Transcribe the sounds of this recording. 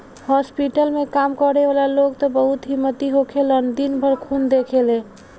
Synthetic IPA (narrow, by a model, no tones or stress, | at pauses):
hɔspiʈəlmekamkəɾeʋalaloɡt̪ɔbəɦut̪ɦimːət̪iɦokʰelənd̪inbʱəɾkʰund̪ekʰele